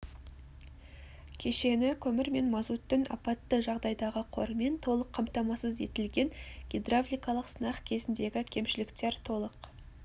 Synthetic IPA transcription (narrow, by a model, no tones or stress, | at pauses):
kʲʰeʃe̞nɪkʲʰɵmɪɾme̞nmɑzut̪ːɪnʔɑ̰pɑt̪ːəʒɑʁd̪ɑjd̪ɑʁəqʰo̞̰ɾme̞nt̪ʰo̞lˠəqʰːɑmt̪ɑmɑsəze̞̰t̪ɪlɡʲe̞ŋɡʲid̪ɾaflʲijkɑlˠəqsənɑqkʲʰe̞zɪnd̪e̞ɡʲɪkʲʰe̞mʃɪlɪkt̪e̞ɾt̪ʰo̞lˠəq